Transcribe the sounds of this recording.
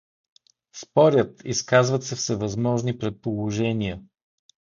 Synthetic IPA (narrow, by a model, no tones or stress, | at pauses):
spɔɾʲət̪iskazvət̪səfsɛvɐzmɔʒnipɾɛt̪̚polˠoʒɛnijə